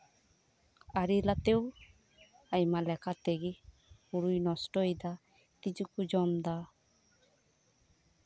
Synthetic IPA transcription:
aɾilat̪ew | ajmalɛkʰat̪eɡi | uɾujnɔsʈɔjd̪a | t̪id͡ʒukud͡ʒɔmd̪a

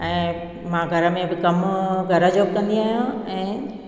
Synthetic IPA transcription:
ɛ̃ː | mãɡʱɐɾə̆mẽbɪkɐmɡʱɐɾəd͡ʑoːb̚kɐ̃nd̪iaːɦjõɛ̃ː

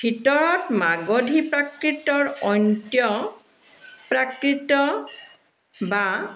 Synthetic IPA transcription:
bʰʱitɔɹɔtmaɡodʱipɹakɹitɔɹɔntjɔ | pɹakɹitɔ | ba

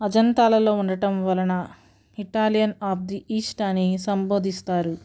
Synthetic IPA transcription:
ɐd͡ʒɐnt̪aːlɐlo̞ːuɳɖɐʈɐmʋɐlɐnɐ | iʈaːlijɐnaːb̚d̪iʔiːsʈanːisɐmbo̞ːd̪ʱist̪aːɾu

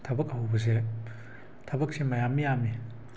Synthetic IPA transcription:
tʰɐbɐk̚aɦwbɐs̬e | tʰɐbɐk̚simɐjamːijami

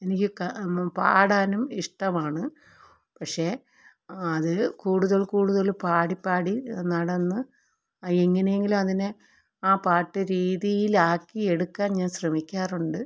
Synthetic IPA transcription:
e̞nikʲːɨkpa̰ːɽaːnumiʂʈɐmaːɳɨ | pɐkʂe̞ | ɐðɨkuːɽuðɐɭkuːɽuðɐɭpaːɽipːaːɽinɐɽɐnːɨ | eŋːɐne̞jeŋɡilumɐðinɨ | aːpaːʈːɨɾiːðijilaːkːie̞ɽukːaːnɲaːnɕrɐmikʲːaːruɳɖɨ

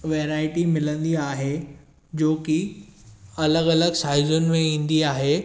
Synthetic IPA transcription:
ʋeːɾaːɪʈimɪlə̃nd̪iaːɦe | d͡ʑoːki | ɐləɡɐləɡʃaːɦɪzʊnɪ̆mẽĩːn̆d̪iaːɦeː

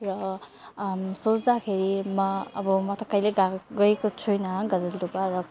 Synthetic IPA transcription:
rʌ | sot͡sd̪akʰeɾimʌːbʌmʌt̪ʌkʌjleɡaɡʌjekot͡sʰujnʌɦɡʌd͡zʌld̪upaɾʌ

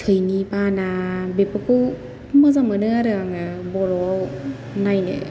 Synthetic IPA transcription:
tʰɯjnipanabepɯkɯw | mazamɯnɯaɾɯaŋɯbɔɾɔw | najnɯ̰

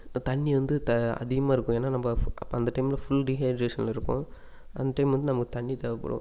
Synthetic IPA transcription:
t̪ɐɳːiʋɐnd̪ɯt̪ɐɐ̰ðɪɣɐmaːɪɾɯkːʊ̃eːnːaːnɐmbɐɐpːɐnd̪ɐʈɐɪmɪlɐfʊlɖiɦaːɖɾeːʂɐnlɪɾɯkːʊ̰̃ | ʔɐ̰nd̪ɐʈɐɪmʋɐnd̪ɯnɐmɐkːɯt̪ɐɳːit̪ɐʋɐpːɐ̰ɽõ̰

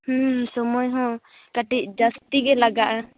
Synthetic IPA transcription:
hũsɔmɔjɦɔ̃ | kaʈic̚d͡ʒast̪iɡɛlaɡaʔa

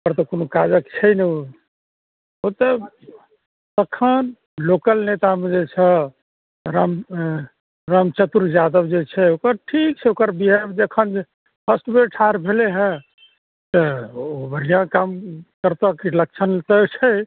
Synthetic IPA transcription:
kəɾt̪əkonokad͡ʒəkt͡ʃʰɛjneo | ot̪ə | t̪əkʰən | lokəlnet̪amẽd͡ʒet͡ʃʰɛ | ɾam | ɾamt͡ʃət̪uɾd͡ʒad̪əbd͡ʒet͡ʃʰɛokəɾʈʰik̚t͡ʃʰɛokəɾbiɦɛd͡ʒəkʰən | pʰəsʈbeʈʰaɾbʱeleɦɛ̃ | t̪əobəɾijãkamkəɾt̪akeləkt͡ʃʰənlt̪ət͡ʃʰɛ

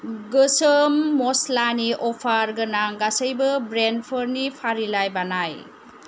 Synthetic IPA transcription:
ɡɯsəmːɔslaniʔɔpʰaɾɡɯnaŋɡasəjbɯbɾenpʰəɾnipʰaɾilajbanaj

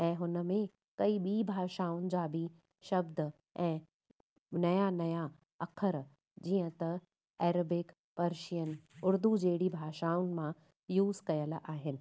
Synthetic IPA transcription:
ɛ̃ːɦʊnə̆mẽ | kɐiɓiːbʱaːʃaːʊnɪ̆d͡ʑaːbʱi | ʃɐbd̪ | ɛ̃ː | nɐjanɐja | ɐkʰəɾ | d͡ʑiːə̃t̪ɐ | ɛːɾəbɪk | pɐɾʃijənɪ̆ʊɾd̪ud͡ʑeːɽibʱaːʃaːʊnɪ̆mã | juːzkɐjəlaːɦɪnɪ̆

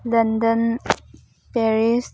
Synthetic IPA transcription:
lə̃ndə̃n | pɛɹis

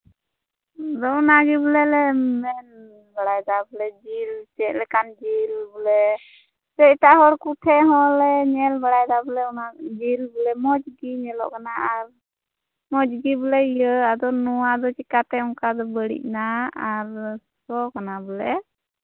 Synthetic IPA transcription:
d̪ɔnaɡibəlɛlɛmɛn | bəɽajd̪abəlɛd͡ʒilt͡ʃɛʔ̚lɛkand͡ʒilbəlɛ | sɛiʈaɦɔɽkuʈʰɛɦɔ̃lɛɲɛlbaɽajd̪abəlɛɔnad͡ʒilbəlɛmɔd͡ʒɡiɲɛlɔ̰ʔkanaaɾ | mɔd͡ʒɡibəlɛijəad̪ɔnɔwad̪ɔt͡ʃikat̪ɛɔŋkad̪ɔbəɽḭʔ̚naaɾsɔkanabəlɛ

